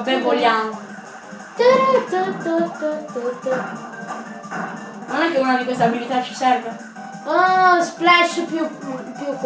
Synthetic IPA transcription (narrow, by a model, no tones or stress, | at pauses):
bɛnvoljamo | t̪əɾt̪ət̪ət̪ːət̪ːut̪ːə | nonɛkːeunad̪ikwest̪abilit̪at͡ʃi̥sɛɾve | ɔsplɛʃpjupjukː